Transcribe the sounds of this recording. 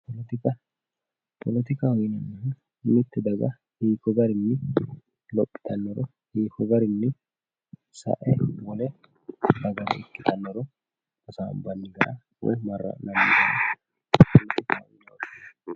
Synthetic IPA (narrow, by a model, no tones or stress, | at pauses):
pɔlɔt̪ɪkɐ | pʰɔlɔt̪ɪkaɔjnɐnːɐh | mɪt̪ːɛd̪ɐɡɐ | hiːkːɔɡɐɾɪnːɪ | lɔpʼːɪ̥t̪ʰɐnːɔɾɔ | hiːkɔɡɐɾɪnːɪ | sɐ̰ʔɛwɔlɛ | bɐɡɐɾɐ̰ɪkːɪt̪ɐnːɔɾɔ | ɔsa̰ːbɐnːɪɡɐɾɐ | wo̰mɐrːɐ̰nɐmːɪɐnɐ | pɔlɔt̪ɪkaɔjnɐwd